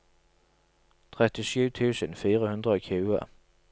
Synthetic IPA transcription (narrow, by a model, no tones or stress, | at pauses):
t̪ʰʁɛt̪ɪʃʉːt̪ʰʉːsənfiːʁəhʉnd̪ʁəoːkʰʉːə̰